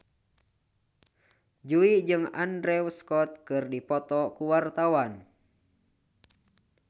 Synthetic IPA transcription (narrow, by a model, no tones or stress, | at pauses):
d͡ʒuid͡ʒɨŋa̰ndɾɛwskɔt̪̚kɨrdipɔt̪ɔkuwart̪awan